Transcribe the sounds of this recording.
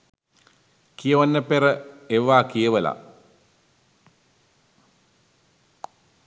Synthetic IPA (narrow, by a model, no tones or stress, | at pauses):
kijeʋanːəpeɾəeʋːaːkijəʋəla̰